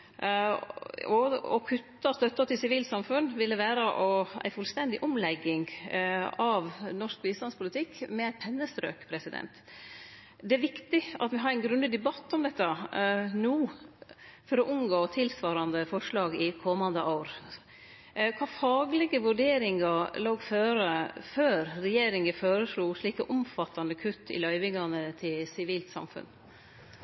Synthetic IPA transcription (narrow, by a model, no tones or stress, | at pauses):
ɔɔ̰kʰʉt̪ːɑst̪œt̪ːɑt̪ɪlsɪʋiːlsɑmfʉnʋɪlːəʋæːɾəʔɔæ̰ɪfʉlst̪ɛnd̪ɪʔɔmlɛɡːɪŋ | ɑʋnɔʂk̚biːst̪ɑnspʰʊlɪt̪ʰɪkːmɛæɪpʰɛnːəst̪ɾø̰ːkpʰɾɛsɪd̪ɛ̰nt̪ | d̪ɛæɾʋɪkt̪ɪɑt̪ʋɪɦɑɾæɪnɡɾʉnəd̪ɛbɑt̪ːɔmd̪ɛt̪ːɑnuː | fɔɾɔʔʊnɡoːt̪ʰɪlsʋɑːɾɑnd̪əfɔʂɭɑːɡɪkʰɔmɑnd̪əʔɑʊɾ | kʰʋɑːfɑːɡlɛɡəʋʉɖeːɾɪŋɑloːɡføːɾəføːɾɾɛjeːɾɪŋəføːɾəʂɭuːʂɭiːkəʔʊmfɑt̪ːɑnəkʰʉt̪ʰːɪ̰lœʏʋɪŋɑnət̪ʰɪlsɪʋiːlt̪sɑ̰mfʉ̰n